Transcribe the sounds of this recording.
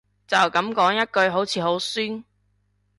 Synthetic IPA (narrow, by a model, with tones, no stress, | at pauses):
t͡sɐ˨wkɐ˨˥mkɔː˨˥ŋjɐ˥t̚kɵ˧ɥɦo˨˥wt͡sʰiː˨˧ɦo˨˥wsyː˥n